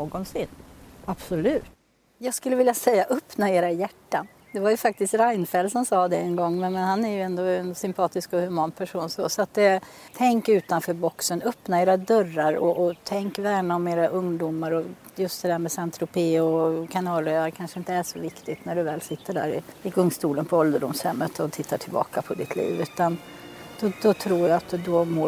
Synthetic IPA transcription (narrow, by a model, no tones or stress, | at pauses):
oːɡɔnsɪnab̥sɔlʉ̟ːt̪ | jɑːɡskɵlːəvɪljasɛjːaʔœpnaeːɾajæʈːan | d̪ɛvajɵfak̚t̪ɪst̪ɾajnfɛlsɔmsɑːd̪ɛɛnɡɔŋːmɛnmɛnhanːæɾjɵɛnd̪ɔɛnsʏmpʰɑːt̪ɪskɔhɵmɑːnpʰæʂuːnsɔ̰sɔat̪̚d̪ɛ | t̪ʰɛŋkʉ̟ːt̪anfœːɾbɔksənœpnaeːɾad̪œrːaɾɔʔɔt̪ʰɛŋkvæːɳaɔmeːɾaʔɵŋd̪umaɾɔ | jɵst̪̚d̪ɛd̪æːmɛsɛnt̪ɾʊpʰeːɔkʰanɑːlɛːaɾkʰanʂəɪnt̪əæʂɔvɪkt̪ɪt̪næɖɵvɛːlsɪt̪ːəɖæ̰ːɾɪ̰ɪɡɵŋst̪uːlənpʰɔɔld̪əɖʊmshɛmːət̪ʰɔt̪ʰɪt̪ʰːaʈʰɪlbɑ̰ːkapʰɔd̪ɪt̪ʰlḭːvʉ̟ːt̪an | d̪̥ɔd̪ɔt̪ʰɾuːjaat̪d̪ɔmoː